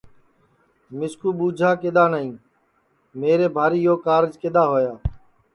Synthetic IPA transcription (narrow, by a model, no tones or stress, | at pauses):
mɪskuːɓuːd͡ʒʱaːkeɗ̪aːnəĩː | meːɾeːbʱaːɾiːjoːkaːɾd͡ʒkeɗ̪aːɦoːjaː